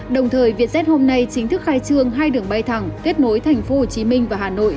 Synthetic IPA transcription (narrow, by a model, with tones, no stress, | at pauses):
ɗə˨˩wŋ͡mt̪ʰəː˨˩jvi˨˩ət̚sɛ˦˥t̚ho˧mna˧jt͡ɕï˨˦ŋ̟t̪ʰɨ˦˥k̚xaː˧jt͡ɕɨ˧əŋɦaː˧jɗɨ˨˩əŋɓa˧jt̪ʰa˨˩ŋt̪e˦˥ət̚no˨˦jt̪ʰɛ˨˩jŋ̟fo˨˦ho˧˩t͡ɕi˨˦mï˧ŋ̟vaː˨˩haː˨˩no̰˧˨jʔ